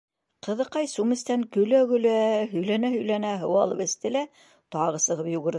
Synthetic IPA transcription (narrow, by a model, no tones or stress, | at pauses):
qɤ̆ðɤ̆qɑjsumɘ̆st̪æŋkɵ̆læɡɵ̆læɦɵ̆jlænæhɵ̆jlænæɦɤ̆wɑlˠɤ̰pɘ̆st̪ɘ̆læ | t̪ɑʁɤ̆sɤ̆ʁɤpjuɣɘ̆ɾð